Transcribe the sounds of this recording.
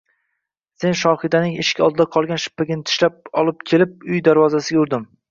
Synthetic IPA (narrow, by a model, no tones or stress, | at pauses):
se̞nʃɒhɪd̪anɪŋɪʃkʲɒ̰lˠd̪ɪd̪aqʰɒlˠɡʲanʃɪ̥pːaɡʲɪnɪt̪ʰɪ̥ʃlap̚ɒlˠɪp̚kʲʰe̞lɪp̚ʊjd̪aɾvɒzasɪɡʲaʊɾd̪ɪm